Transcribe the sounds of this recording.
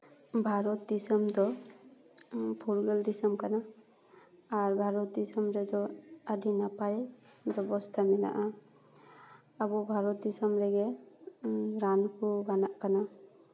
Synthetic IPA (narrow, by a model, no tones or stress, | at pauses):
bʱaɾɔt̪̚d̪isəmd̪ɔ | pʰuɾɡəld̪isəmkana | ɾbʱaɾɔt̪̚d̪isəmɾɛd̪ɔadʱinapaɛd̪ɔbɔst̪ʰamila̰ʔa | abɔbʱaɾɔt̪̚d̪isəmɾɛɡɛ | ɾankʰubanaʔkana